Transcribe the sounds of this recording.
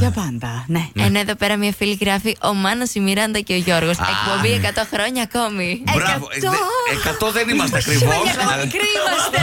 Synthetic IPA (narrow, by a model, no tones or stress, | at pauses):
jɐpɐnd̪ɐneenoeðo̞pe̞ɾɐmɲɐfiliɣɾɐfiʔo̞mɐnɐsimiɾɐnd̪ɐce̞o̞ʝo̞ɾɣo̞sekpo̞mbiekɐt̪o̞xɾoɲɐːko̞miɾvt̪oekɐt̪oðenimɐst̪eɐkɾivoskɾiɐs